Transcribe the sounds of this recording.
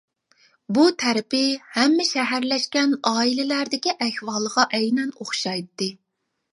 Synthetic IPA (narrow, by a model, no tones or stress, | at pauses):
but̪ʰæɾɪpɪhɛmːɪʃɛɦæɾlɛʃkʲɛnɑːilɪlæɾd̪ɪkʲiʔɛhwɑlˠəʁɑʔɛjnɛnoχʃɑjt̪ːɨ